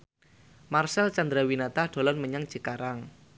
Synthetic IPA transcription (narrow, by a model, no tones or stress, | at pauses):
marsɛlt͡ʃand̪ɾawinat̪ahɖ̪̥o̤lɔnməɲaŋ̥ʒ̥ə̤kaɾaŋ